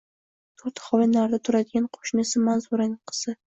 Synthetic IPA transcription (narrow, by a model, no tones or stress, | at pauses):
t̪ʰoɾt̪ʰχɒvanaɾd̪at̪ʰʊɾad̪ɪɡʲanqʰo̥ʃnɪsɪmanzʊɾanɪŋqʰɨ̥z̥ɪ